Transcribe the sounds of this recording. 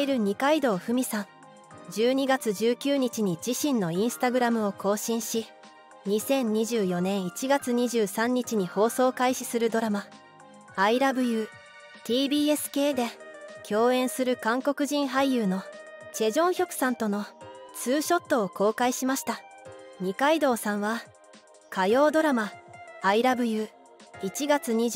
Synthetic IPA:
iɾɯ̟ɲ̟ikaid̪o̞ːɸɯ̟mʲisãŋ | d͡ʑɨːɲ̟iɡat͡sɨʑɨːkʲɨːɲ̟it͡ɕiɲ̟id͡ʑiɕĩnːo̞ĩɰ̃sɨ̥t̪aɡɯ̟ɾamɯ̟o̞ko̞ːɕĩɰ̃ɕi | ɲisẽ̞ɲ̟ɲiʑɨːjo̞nẽ̞ɰ̃it͡ɕiɡat͡sɨɲ̟iʑɨːsãɲ̟ːit͡ɕiɲ̟iho̞ːso̞ːkaiɕi̥sɨɾɯ̟d̪o̞ɾama | aiɾabɯ̟jɯ̟ː | t̪ʲiːbʲiːesɨ̥ke̞ːd̪e̞kʲʰo̞ːẽ̞ɰ̃sɨɾɯ̟kãŋko̞kɯ̟ʑĩɰ̃ɦaijɯːno̞t͡ɕe̞ʑõ̞ɰ̃çʲo̞kɯ̟̥sãnt̪o̞no̞t͡sɨːɕo̞t̪ːo̞ːko̞ːkaiɕimaɕi̥t̪aɲ̟ikaid̪o̞ːsãɰ̃βa | kʰajo̞ːd̪o̞ɾamaːiɾabɯ̟jɯː | it͡ɕiɡat͡sɨɲ̟i

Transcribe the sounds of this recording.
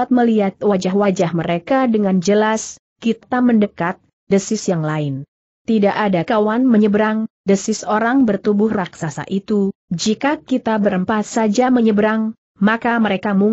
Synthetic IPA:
at̪̚məliat̪̚wad͡ʒaɦwad͡ʒahməɾekadəŋand͡ʒəlas | kit̪aməndəkat̪̚ | dəsɪsjaŋlaɪn | t̪idaʔadakawanməɲəbəɾaŋdəsɪsoɾaŋbərt̪ubʊhraksasa̰ʔit̪u | d͡ʒikakit̪abəɾəmpat̪̚sad͡ʒaməɲəbəɾaŋ | makaməɾekamuŋ

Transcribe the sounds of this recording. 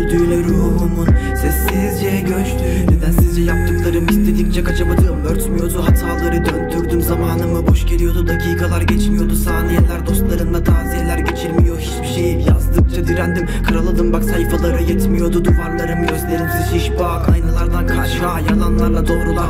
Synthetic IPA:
d̪ylyɾoumunsɛsːizd͡ʒɛɛɟøt͡ʃ | d̪ed̪ænsizd͡ʒɛjap̚t̪ɯklˠaɾɯmist̪ʰe̞d̪ikd͡ʒɛkʰat͡ʃʰabad̪ɯmøɾt̪mijo̞d̪uɦat̪ʰaːlˠaɾɯd̪ønd̪yɾd̪ymzamaːnɯmɯbo̞ʃɟelʲijo̞d̪ud̪acʰiːkalˠaɾɟɛt͡ʃʰmijo̞d̪usaːnijɛlʲæɾd̪o̞st̪lˠaɾɯnd̪at̪ʰaːziɦelʲæɾɟe̞t͡ʃʰiɾmijohit͡ʃbiʃejipjazd̪ɯk̚d͡ʒʰad̪iɾænd̪imkʰɯɾalˠad̪ɯmbaksajfalˠaɾɯjɛt̪mijo̞d̪ud̪uvaɾlˠaɾɯmɯɟø̞zlʲejmsihiʃbuaajnɯlˠaɾd̪ankʰaɾʃajalˠanlˠaɾlˠad̪o̞ːɾulˠa

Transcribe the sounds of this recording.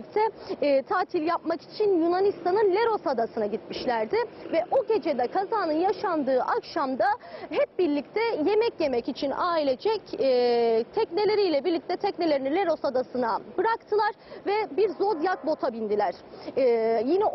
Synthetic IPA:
c̚t̪ʰɛːt̪ʰaːt̪ʰilʲjap̚maki̥t͡ʃʰinjunanist̪ʰanɯnlʲeɾo̞sad̪asɯnaɟit̪miʃlʲæɾd̪ɪvɛʔo̞ɟe̞d͡ʒe̞d̪ɛkʰazaːnɯnjaʃand̪ɯːʔakʃamd̪aɦɛp̚biɾlʲic̚t̪ʰɛje̞mɛcje̞mɛcit͡ʃʰinaːilʲe̞d͡ʒɛcː | t̪ʰɛcne̞lʲe̞ɾijlʲɛbiɾlʲic̚t̪ʰɛt̪ʰɛcne̞lʲe̞ɾinilʲe̞ɾo̞sad̪asɯnabɯɾakt̪ʰɯlˠaɾvɛbiɾzo̞d̪jak̪̚bo̞t̪ʰabind̪ilʲæɾ̥ː | jinɛ

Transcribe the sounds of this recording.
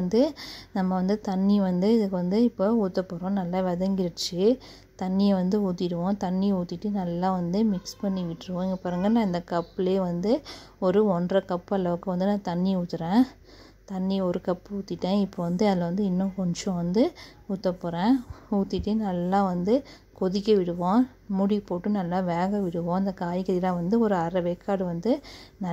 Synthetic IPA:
nd̪ɯnɐmːɐʋɐnd̪ɯt̪ɐnːiʋɐnd̪ɯɪðɯkːɯʋɐnd̪ɯɪpːouːt̪ːɐpːoːɾõːnɐlːãːʋɛðɐŋɡɪɾɯt͡ʃːɯ | t̪ɐnːiɛʋɐnd̪ɯuːt̪ːɪɾɯʋõːt̪ɐnːiuːt̪ːɪʈːɯnɐlːãːʋɐnd̪ɯmɪkspɐɳːiʋɪʈːɪɾɯkõɛŋɡɐpaːɾɯŋɡɐnãːɪnd̪ɐkɐpːleːʋɐnd̪ɯɔɾɯɔɳdrɐkɐpːɐlɐʋɯkːɯʋɐnd̪ɯnãːt̪ɐnːiuːt̪ːɯɾẽː | t̪ɐnːiɔɾɯkɐpːuːt̪ːɪʈːẽːɪpːoʋɐnd̪ɯɐðlːɐʋɐnd̪ɯɪnːõːkɔɳd͡ʒõʋɐnd̪ɯ | uːt̪ːɐpoːɾẽːuːt̪ːɪʈːɯnɐlːãːʋɐnd̪ɯ | kɔðɪkːɐʋɪɽɯʋõː | mʊɽipːoːʈːɯnɐlːãːʋeːɣɐʋɪɽɯʋõːɪnd̪ɐkaːjkɐɾɪlãːʋɐnd̪ɯɔɾɯɐɾɐʋɛkːaːɽɯʋɐnd̪ɯnɐ

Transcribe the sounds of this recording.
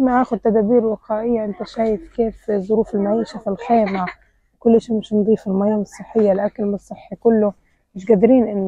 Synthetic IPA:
maʔaːxʊd̪̚t̪ad̪aːbiːɾwɪqaːʔɪjːaʔɪnt̪aʃaːjɪfkeːfzˤʊɾuːfɪlmawiːʃafɪlxeːmʕa | kʊlːʔɪʃimɪʃnd̪ˤiːfɪlmajaːnɨsˤːɨħːɪjːalʔakalmsˤːɨħːikʊlːʊ | mɪʃɡad̪ɾiːnʔɪnː

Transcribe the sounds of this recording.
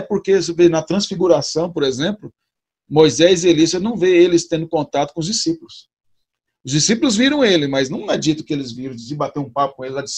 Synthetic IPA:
poɾkes̬venɐt̪ɾɐ̃sfiɡuɾasɐ̃w̃poɾezẽmplʊ | mojzɛzɪelisɐnɐ̃w̃veelɪst̪ẽnd̪ʊkõnt̪at̪ʊkõʊzd͡ʒisipʊlʊs | ʊzd͡ʒisipʊlʊzviɾɐ̃w̃elɪmɐznɐ̃w̃ad͡ʒit̪ʊ̥kɪelɪzviɾɐ̃w̃d͡ʒzɪbat̪eɾũpapʊ̥kõelɪlad͡ʒis

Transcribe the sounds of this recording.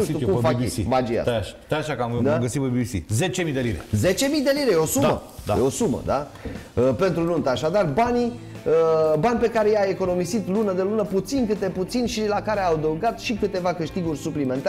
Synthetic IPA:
uʃukumfakḛimad͡ʒia̰at̪ajaʃakamd̪aɡəsit̪obibisḭzet͡ʃemijd̪eliɾeze̞t͡ʃe̞mijd̪e̞liɾejeo̞sumə̰d̪a̰eo̞sumə̰d̪a | əpe̞nt̪ɾununt̪əaʃad̪arbani | əbanʲpe̞kaɾe̞jae̞ko̞no̞misit̪lunəd̪elunəput̪sinkɨt̪e̞put̪sinʲʃilakaɾeawd̪əwɡat̪ʃikɨt̪e̞vakɨʃt̪iɡurʲsuplime̞nt̪a

